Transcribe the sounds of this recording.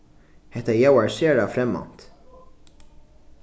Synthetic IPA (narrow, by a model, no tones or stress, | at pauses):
hɛt̪ɐjɐwɐɾsɛːɾɐfɾɛmːɐ̰nt̪